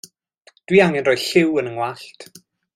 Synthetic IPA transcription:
d̥wiːaŋɛnrɔjɬɪwənəŋwaɬtʰ

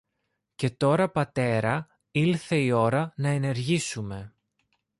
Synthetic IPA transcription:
ce̞t̪o̞ɾɐpɐt̪e̞ɾɐ | ilθe̞io̞ɾɐnɐe̞ne̞ɾʝisume̞

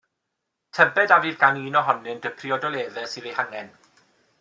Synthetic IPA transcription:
tʰəbɛdaviːrɡaniːnɔɦɔnɨnd̥əpʰriɔdɔlˠeːðɛsɨːðejhaŋɛn

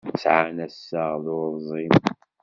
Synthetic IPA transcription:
t͡sʕanæsːaʁðʊɾˤzˤim

